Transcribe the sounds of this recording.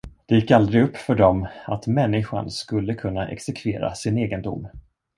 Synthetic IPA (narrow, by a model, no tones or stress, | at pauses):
d̪̥ɛjɪkːald̪ɾɪɡɵpːfœɖɔmat̪mɛnːɪɧa̰nskɵlːəkʰɵnːaʔɛ̰ksɛkʰveːɾa̰sɪneːɡənd̪ʊ̰mː